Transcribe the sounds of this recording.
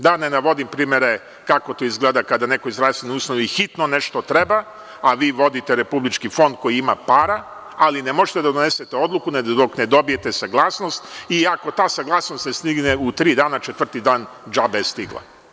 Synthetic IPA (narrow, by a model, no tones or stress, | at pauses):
d̪anenaʋo̞d̪impɾiːmeɾe | kako̞t̪oizɡleːd̪akad̪ane̞ko̞izɾaːseniuːsnoʋixit̪none̞ʃt̪o̞t̪ɾe̞ba | aʋiːʋo̞d̪it̪e̞ɾe̞publit͡ʃkifo̞nd̪̚kojiimapaːɾa | alinemo̞ʒet̪e̞d̪ad̪one̞set̪eo̞d̪lˠukuned̪o̞kned̪o̞bije̞t̪esaɡlˠaːsno̞st̪iako̞t̪aːsaɡlˠaːsnost̪nest̪iɡneut̪ɾiːd̪aːnat͡ʃet̪ʋr̩t̪id̪aːn | d͡ʒabest̪iɡlˠa̰